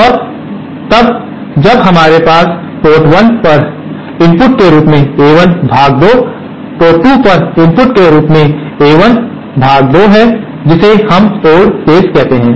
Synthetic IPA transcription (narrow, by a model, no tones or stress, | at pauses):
ɔːɾ | t̪ɐb | d͡ʒɐbɦɐmaːɾepaːs | poːʈwənpɐɾ | ɪ̃mpʊʈkeɾuːpmẽeːʋənbʱaːɡ̚d̪o | poːʈʈupɐɾɪ̃mpʊʈkeɾuːpmẽ | eːʋən | bʱaːɡ̚d̪oɦɛ | d͡ʒɪsehɐmoːɽkeːskɛɦt̪eɦɛ̃ː